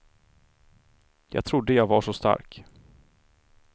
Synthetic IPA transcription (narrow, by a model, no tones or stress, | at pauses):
jɑ̰ːɡ̚t̪ʰɾʊd̪ːəjɑːɡvaʂɔst̪a̰ɾk